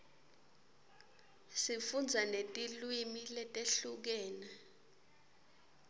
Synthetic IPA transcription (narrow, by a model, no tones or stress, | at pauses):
sifund͡zʱanetʼilwimilɛtʼeɬuk̬ɛːna